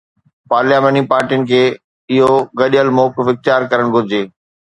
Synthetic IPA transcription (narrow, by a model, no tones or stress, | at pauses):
paːɾljaːʋəːnipaːɾʈijənɪ̆kʰeː | ɪɦoɡɐɗəlmɔːkɪfɪxt̪ɪjaːɾkɐɾəɽ̃ɡʱʊɾɪd͡ʑeː